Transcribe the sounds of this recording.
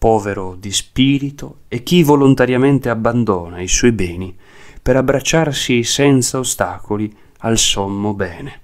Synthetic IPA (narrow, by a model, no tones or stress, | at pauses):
pɔːveɾod̪ispiːɾit̪oek̟ːivolont̪aɾjament̪eabːand̪oːnaisɔjbɛːnipeɾabːɾat͡ʃːarsisɛnt̪saost̪aːkoli | alsomːobɛːne